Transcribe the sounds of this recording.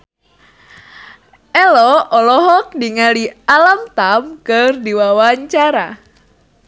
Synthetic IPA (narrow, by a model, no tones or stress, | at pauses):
ɛlɔʔɔlɔɦɔk̚diŋalialamt̪amkɨrdiwawaɲt͡ʃaɾa̰